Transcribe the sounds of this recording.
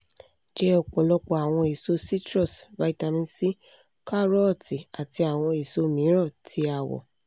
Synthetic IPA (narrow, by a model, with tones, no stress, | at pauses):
d͡ʒɛ˦ɔ˦˨k͡pɔ˨lɔ˧k͡pɔ˧a˨w̃ɔ̃˧e˨so˦si˦tɾɔ˦˨sva˨˦i˦˨ta˧mĩ˧si˦ | ka˦ɾɔ˦˨ti˨a˨ti˧a˨w̃ɔ̃˧e˨so˧˦mĩ˨˦ɾɔ˦˨tʰi˨˦a˨wɔ̰˨